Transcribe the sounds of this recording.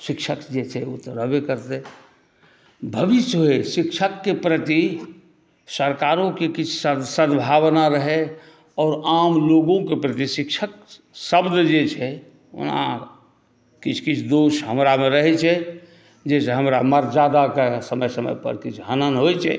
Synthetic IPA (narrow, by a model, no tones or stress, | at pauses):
ʃɪkʃʰəkd͡ʒet͡ʃʰɛot̪oɾəbekəɾt̪e | bʱəʋɪsoɦeʃɪkʃʰəkːepɾət̪i | səɾkaːɾõkekɪt͡ʃʰsəsəd̪bʱaːʋnaɾəɦe | ɔːɾaːmloːɡõkepɾət̪iʃɪkʃʰək̚ | səbd̪d͡ʒet͡ʃʰɛ | ʊ̰nã̰ | kɪt͡ʃʰkɪt͡ʃʰd̪oːʃɦəmɾamẽɾəɦɛt͡ʃʰɛ | d͡ʒeseɦəmɾaməɾd͡ʒaːd̪akesəməjsəmə̰jpə̰ɾkɪt͡ʃʰɦənənɦot͡ʃʰɛ̰